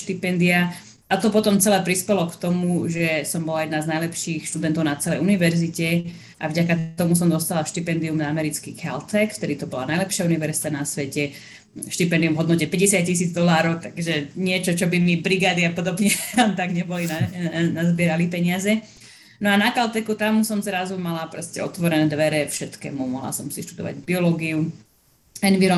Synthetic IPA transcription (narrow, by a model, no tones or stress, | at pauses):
ʃt̪ipɛnd̪ia | at̪ɔpɔt̪ɔmt͡sɛlɛːpɾispɛlɔkt̪ɔmuʒɛsɔmbɔlajɛd̪naznajlɛpʃiːxʃt̪ud̪ɛnt̪ɔʊnat͡sɛlɛjuniʋɛɾzicɛ | ʔavɟakaɔmusɔmd̪ɔst̪alaʃt̪ipɛnd̪iumnaamɛɾit͡skikalt̪ɛkft̪ɛd̪it̪ɔbɔla̰najlɛpʃɪauniʋɛɾzit̪anasʋɛcɛ | ʃt̪ipɛnd̪iumɦɔd̪nɔcɛpɛɟɛsɪat̪̚cːisiːd͡zd̪ɔlaːɾɔʊt̪aɡʒɛɲɪɛt͡ʃɔt͡ʃɔbimibɾiɡaːd̪iapɔd̪ɔbɲɛant̪aɡɲɛbɔlinanazbɪɛɾalipɛɲɪazɛ | nɔanakalt̪ɛkut̪amsɔmzɾazumalapɾɔscɛɔt̪ʋɔɾɛnɛd̪ʋɛɾɛfʃɛt̪kɛ̰ːmumɔɦla̰sɔmsiʃt̪ud̪ɔ̰ʋa̰ɟbiɔlɔːɡiu | ɛnʋiɾɔ